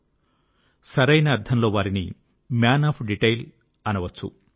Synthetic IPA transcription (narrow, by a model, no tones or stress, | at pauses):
sɐɾɐjnɐːɾd̪ʰɐmlo̞ːʋaːɾinḭ | mjaːnaːpʰɖiʈɐjl | ɐnɐʋɐt͡ʃːṵ